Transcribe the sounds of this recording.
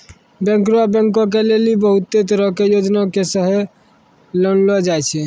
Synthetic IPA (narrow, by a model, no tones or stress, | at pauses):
bjɛ̃ŋkɾuabə̃ŋkõk̬elelibəɦut̪ːet̪̬əɾəɦkejod͡ʒnakesəɦe | lənlɔd͡ʒajt͡ʃʰɛ